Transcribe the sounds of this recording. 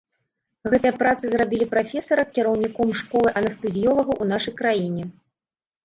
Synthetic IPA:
ɣɛt̪ɨjɐpɾat̪sɨzrabʲilʲipɾafʲɛsɐɾɐkʲiɾɐwnʲikɔmʂkɔlˠɨʔɐnɐst̪ɨzʲjɔvɐɣɐʔun̪aʂɐjkɾajinʲɛ

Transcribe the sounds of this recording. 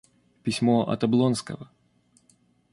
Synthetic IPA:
pʲɪsʲmoɐ̰t̪ɐblˠonskə̰və

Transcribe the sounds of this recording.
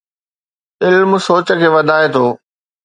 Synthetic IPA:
ɪlmsoːt͡ɕəkʰeːʋɐd̪ʱaːet̪ʰoː

